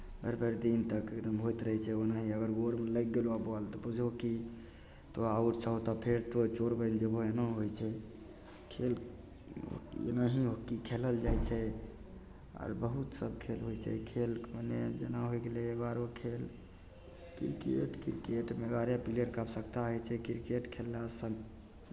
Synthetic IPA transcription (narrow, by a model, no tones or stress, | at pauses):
bəɾbeɾd̪int̪əkekd̪əmɦojt̪ɾəɦɛt͡ʃʰɛonaɦiəɡəɾɡoɾmeləɡɡelabalt̪ɔbəd͡ʒoki | t̪oauʈt͡ʃʰəɦot̪apʰeɾt̪ot͡ʃoɾbənd͡ʒeboenaɦojt͡ʃʰɛ | kʰel | o̰ḛnaɦiɦokikʰeləld͡ʒajt͡ʃʰɛ | a̰ɾbəɦut̪səb̚kʰelɦojt͡ʃʰɛ̰kʰelkməned͡ʒənaɦojɡelebaɾokʰel | kḭɾkḛʈkḭɾkeʈmeɡaɾjapileʈkabsəkt̪aɦojt͡ʃʰɛkiɾkeʈkʰelːasəŋ